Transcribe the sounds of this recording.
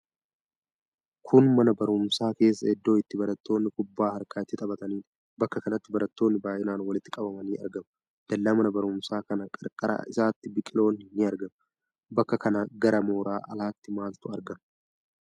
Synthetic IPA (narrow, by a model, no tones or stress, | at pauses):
kʰʊnmɐnɐbɐɾʊmsaːke̞ːs̬ːɐɛd̪ːo̞ːɪt̪ːɪbɐɾɐt̪ːo̞ːnːɪkʊbːaːhɐɾkʼaːɛt̪ːɪt̪ʼɐbɐt̪ɐniː | bɐkːɐkɐnɐt̪ːɪbɐɾɐt̪ːo̞ːnːɪbaːjʔɪnaːnwɐlɪt̪ːɪ̥kʼɐbɐmɐniːɐ̰ɾɡɐm | d̪̥ɐlːaːmɐnɐbɐɾʊmsaːkɐnɐkʼɐɾkʼɐɾa̰ːʔɪsaːt̪ːɪbɪkʼɪlo̞ːnːɪnɪɐɾɡɐm | bɐkːɐkɐnaɡɐɾɐmo̞ːɾaːʔɐ̰laːt̪ːɪmaːlt̪ʊɐɾɡɐm